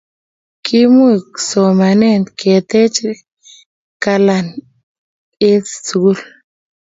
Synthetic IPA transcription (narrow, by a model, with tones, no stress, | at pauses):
kʰi˦mu˦i˨kso˨ma˨ne˦˨nt̪ke˨t̪e˦t͡ʃ | ka˧la˨n | e˦tsɡu˦l